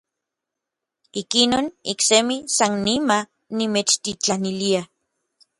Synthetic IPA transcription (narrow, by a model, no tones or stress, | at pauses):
ikinoːniksemisanːima | nimet͡ʃt̪it͡ɬanilia